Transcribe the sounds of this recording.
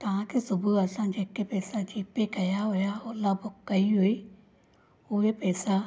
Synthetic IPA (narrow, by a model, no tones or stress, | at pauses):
t̪ãːkesʊbuəsãːd͡ʒeːkepɛːsad͡ʒiːpeːkəjaːɦoːjaːoːlaːbʊkːəiːɦoːiː | oːepɛːsaː